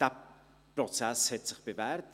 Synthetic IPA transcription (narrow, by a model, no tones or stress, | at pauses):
d̥a | prɔt͡sɛshɛtsɪχb̥evɛrt